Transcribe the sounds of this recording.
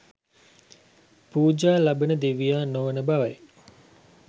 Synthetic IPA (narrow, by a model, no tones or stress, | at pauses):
puːd͡ʒaːlabənəd̪eʋijaːnoʋənəbaʋaj